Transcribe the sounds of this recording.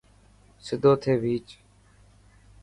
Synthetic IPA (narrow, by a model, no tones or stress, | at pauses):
sɪd̪ʱoːt̪ʰeːʋiːt͡ʃ